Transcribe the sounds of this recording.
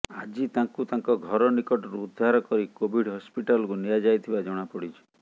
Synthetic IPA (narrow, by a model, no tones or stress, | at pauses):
ad͡ʒit̪aŋkut̪aŋkɔɡʱɔɾɔnikɔʈɔɾuːd̪ʱːaɾɔkɔɾikobʱiɽɦɔspiʈalɔkunijad͡ʒajt̪ʰibad͡ʒɔɽ̃apɔɽit͡ʃʰɔ̥